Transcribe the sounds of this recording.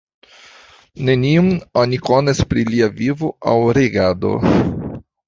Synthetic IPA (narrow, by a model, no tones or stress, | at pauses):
neniumonikonespɾiliavivoa̰wɾeɡad̪o̰